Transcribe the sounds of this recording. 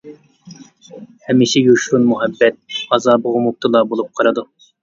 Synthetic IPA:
hɛmːɪʃijuʃɾunmuɦɛbːɛt̪̚ɑzɑːbəʁʊmup̚t̪ʰɨlˠɑbolˠup̚qʰɑɾɨd̪u

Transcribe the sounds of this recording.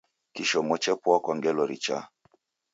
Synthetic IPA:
kiʃɔmɔt͡ʃɛpwakwaŋɡɛlɔɾit͡ʃa̰

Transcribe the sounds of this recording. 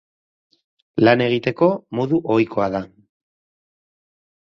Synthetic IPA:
lane̞ɣ̞it̪e̞ko̞moðuʔojkʰo̞aða

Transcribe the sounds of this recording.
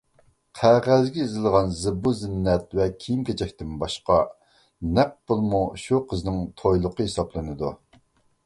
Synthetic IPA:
qʰæʁæzɡʲɛizɪlˠʁɑnzɨbuzɪnːɛt̪vɛkʲʰijimkʲʰet͡ʃʰɛkʲt̪ɪnbɑʃqɑ | nɛq̚b̥olˠmuʃuqʰəznɪŋt̪ʰojlˠʊqəhesɑplˠɨnɨd̪u

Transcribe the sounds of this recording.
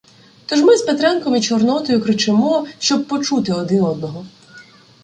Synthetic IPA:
t̪ɔʒmɪspet̪ɾɛnkɔmit͡ʃɔrnɔt̪ɔjʊkɾɪt͡ʃɪmɔʃt͡ʃɔb̚pɔt͡ʃut̪ɪɔd̪ɪnɔd̪̚nɔɦɔ

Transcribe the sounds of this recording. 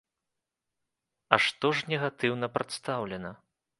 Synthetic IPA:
ɐʂt̪ɔʐnʲɛɣat̪ɨwnɐpɾat̪st̪awlʲɛnɐ

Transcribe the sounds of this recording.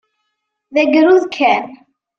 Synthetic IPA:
ðæɡɾuðkʰæn

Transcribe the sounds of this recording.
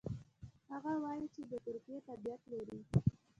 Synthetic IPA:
haɣawɑjit͡ʃed̪ət̪ʊɾkijet̪abijat̪laɾi

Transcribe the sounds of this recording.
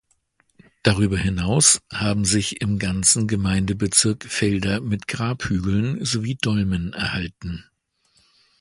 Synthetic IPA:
d̥aʁ̞yːbɐhɪnaʊshaːbm̩zɪçɪmɡant͡sn̩ɡəmaɪndəbət͡sɪɐkfɛldɐmɪtɡ̥ʁaːphyːɡl̩nzoviːdɔlmənɛɐhaltn̩

